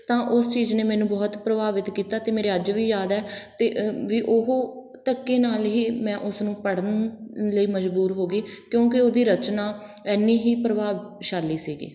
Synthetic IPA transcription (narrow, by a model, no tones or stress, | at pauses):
t̪ãːʔʊst͡ʃiːzneːmɛːnũːbɔːt̪pɾəbaːʋɪt̪kiːt̪aːt̪eːmeːɾeːəd͡ʒʋiːjaːd̪ɛːt̪eːʋiːʔoɦoː | t̪əkːeːnaːlɦiːmɛ̃ːʔʊsnũːpəɽənləiːməd͡ʒbuːɾɦoːɡiːkjõːkɪoːd̪iːɾət͡ʃnaː | ɛːnːiːɦiːpɾəbaːʋʃaːlːiːsiːɡḭː